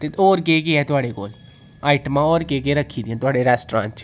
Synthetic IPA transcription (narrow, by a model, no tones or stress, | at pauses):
t̪eoːɾk̬ek̬eɛ̃t̪ʊaːɽeko̰ːl | aːɪʈmãoːɾkek̬eɾəkʰid̪iɛ̃t̪ʊaːɽeɾɛːsʈɾã̰ːnt͡ʃʰ